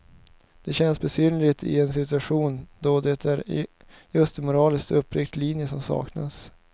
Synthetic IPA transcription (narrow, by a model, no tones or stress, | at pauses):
d̪̥ɛɕɛnsbɛsyːnlɪt̪ʰɪ̰ɛnsɪt̪ɵaɧuːnd̪ɔd̪ɛt̪ʰæɾ | jɵst̪ɛmʊɾɑːlɪskt̪ɵpːɾɪk̚t̪liːnjəsɔmsɑ̰ːkna̰s